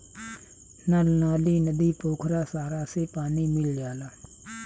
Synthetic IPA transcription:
nalnaːliːnəd̪iːpoːkʰɾaːsaːɾaːseːpaːniːmɪlːɪjaːlaː

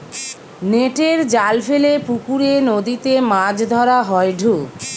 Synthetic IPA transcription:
neʈeɾd͡ʑalfʰelepukuɾenod̪it̪emãd͡ʑd̪ʱɔɾaɦɔeɖʱu

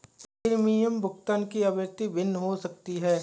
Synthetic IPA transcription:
ɪɾmijəmbʱʊkt̪ənkiɐbjəɾt̪ibɪnːɦosɐk̚t̪iɦɛː

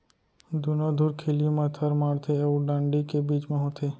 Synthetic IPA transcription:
d̪unõd̪ʱuːɾkʰeljũmãt̪ʰəɾmaːɽt̪ʰeuɖãːɳɖikebiːt͡ʃmẽɦot̪ʰeː

